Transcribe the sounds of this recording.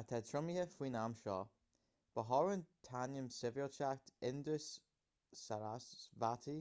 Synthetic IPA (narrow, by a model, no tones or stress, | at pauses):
at̪ʰɛt̪ʰɹʊmihəfwiːnamʃɔː | b̥əɦɔɹənt̪ʰanəmsɪvəlt͡ʃakt̪ʰɪnd̪əs | aɾavatʰi